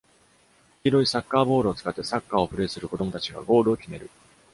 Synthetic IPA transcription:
çʲiɾo̞isakːaːbo̞ːɾɯːt͡sɨ̥kat̪ːe̞sakːaːo̞ɸɯ̟ɾe̞ːsɨɾɯ̟ko̞d̪o̞mo̞t̪at͡ɕiɡa̰ɡo̞ːɾɯ̟okʲime̞ɾɯ̟

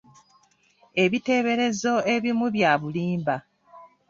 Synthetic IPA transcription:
e̞βite̞ːβe̞ɾe̞zo̞e̞βimuβjaːβuliːmba

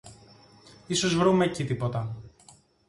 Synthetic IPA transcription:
iso̞zvɾumecit̪ipo̞t̪ɐ

